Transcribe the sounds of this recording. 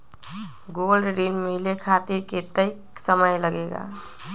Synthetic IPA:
ɡuɡəlɖɾinmilekʰat̪iɾket̪əɪksəməjləɡeɡa̰

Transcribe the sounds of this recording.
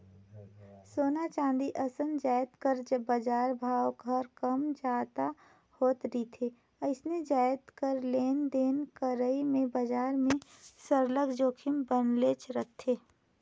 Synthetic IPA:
soːnat͡ʃãːnd̪iʔəsənd͡ʒaːɪt̪kəɾd͡ʒbəd͡ʒaːɾbʱaːʋɡʱəɾkəmd͡ʒaːt̪a | hoːt̪ɾit̪ʰeː | əɪsned͡ʒaːjt̪kəɾleːnd̪eːnkəɾəimẽbəd͡ʒaːɾmẽsəɾləɡd͡ʒoːkʰɪmbənleːt͡ʃʰɾəkt̪ʰeː

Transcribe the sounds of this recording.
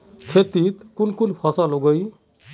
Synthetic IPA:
kʰet̪it̪kunkunpʰɔsɔloɡɔj

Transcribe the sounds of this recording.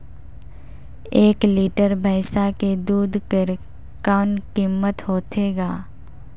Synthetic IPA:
eːkliːʈəɾbʱəɪʃaked̪uːd̪kɾ | kaːnkimːət̪ɦoːt̪ʰeːɡaː

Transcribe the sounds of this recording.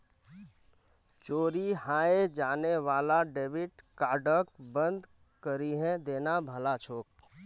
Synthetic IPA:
t͡ʃoːɾihãːed͡ʒaːneʋaːlaɖeːʋɪʈkaːɖək̚bənd̪ | kəɾiɦɛ̃d̪eːnabʱəlat͡ʃʰoːk̚

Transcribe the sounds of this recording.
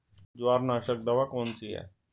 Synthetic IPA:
d͡zaːɾnaːʃək̚d̪əʋakoːnt͡siːɦɛ̰ː

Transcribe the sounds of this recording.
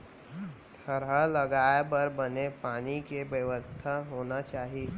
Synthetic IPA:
t̪ʰəɾaləɡaːepɐɾbɐnepaːnikeʋjəʋəst̪ʰaɦoːnat͡ʃaːɦie

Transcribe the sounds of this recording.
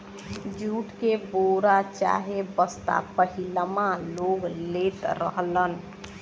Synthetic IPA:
d͡ʒuʈkeboɾat͡ʃa̰ɦebəst̪a̰pəɦiləmaloɡlet̪ɾə̰ɦlən

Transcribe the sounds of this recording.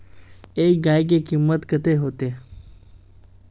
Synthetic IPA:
eːk̚ɡaːik̬ikimːət̪kət̪eɦoːt̪eː

